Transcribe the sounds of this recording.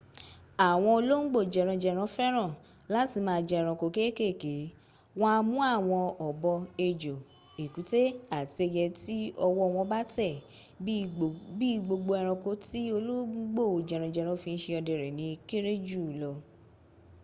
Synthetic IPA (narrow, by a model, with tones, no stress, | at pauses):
a˨w̃ɔ̃˧o˧lo˦ŋ̩˦ɡ͡bo˦˨d͡ʒɛ˨ɾ̃ɔ̃˧d͡ʒɛ˧ɾ̃ɔ̃˨˦fɛ˦ɾ̃ã˦˨ | la˦ti˧mãː˧d͡ʒɛ˧˨ɾ̃ɔ̃˨ko˧˨ke˦ke˦˨ke˨˦ | wã˦˧mũ˦a˦˨w̃ɔ̃˧ɔ˨bɔ˧e˧d͡ʒo˨ | e˨ku˨˦te˦a˦˨ti˧e˧jɛ˧ti˦ɔ˧wɔ˦˧w̃ɔ̃˧ba˦tɛ˦˨ | bi˦ɡ͡bo˧ɡ͡bo˧ɛ˧ɾ̃ɔ̃˧ko˨˦ti˦o˧lo˦ɡ͡bo˦˨d͡ʒɛ˨ɾɔ̃˧d͡ʒɛ˨ɾ̃ɔ̃˧˦fĩ˧n̩˦ʃe˧ɔ˧dɛ˨ɾɛ˨nĩ˧˦ke˦ɾe˦d͡ʒu˦˨lɔ˧